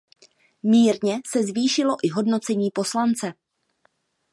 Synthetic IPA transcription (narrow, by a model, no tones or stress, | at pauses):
miːɾɲɛsɛzviːʃɪlo̞ʔɪɦo̞dno̞t͡sɛɲiːpo̞slant͡sɛ